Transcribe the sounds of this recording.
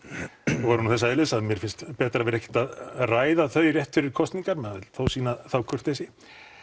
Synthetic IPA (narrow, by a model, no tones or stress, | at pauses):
vɔɾnuθɛs̬ːaɛlɪsaðmjɛɾfɪnst̪pɛːt̪ɾavɛɾɛhkcɛ̥t̪aðraːjðaθœɥrjɛht̪fɪɾɪɾ̥kʰɔst̪niŋkaɾmɛaɛlθowsiːnaθawkʰœr̥t̪ejsɪ